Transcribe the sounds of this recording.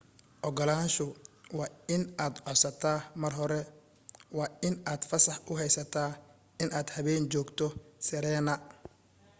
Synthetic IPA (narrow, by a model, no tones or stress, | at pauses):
ʔɔɡɔlaːnʃʊwɑːɪnʔaːd̪ʕɔsɐt̪ʰamɐrɦɔɾɛ | wɑːɪnaːd̪̥fɐsɐħʔʊɦɛjsɐt̪ʰaː | ɪnʔaːd̪hɐβɛːnt͡ʃɔːɡt̪ʰɔsɪɾɛːnɐ